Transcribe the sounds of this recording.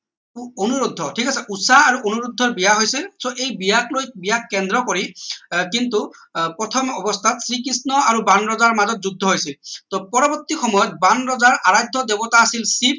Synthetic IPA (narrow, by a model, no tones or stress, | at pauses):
onuɹud̪ʱːɔʈʰikasɛʔusaaɹuʔonuɹud̪ʱːɔɹbijaɦojsilsoʔejbijaklojbijakːɛndɹɔkoɹikintupɹɔt̪ʰɔmɔbɔst̪ʰatsɹikisnɔaɹubanɹɔzaɹmazɔt̚zuɡ̚d̪ʱːɔɦojsilt̪ɔpɔɹɔbɔt̪ixɔmɔjɔt̚banɹɔzaɹʔaɹajd̪ʱɔd̪ebɔtaːsilsip̚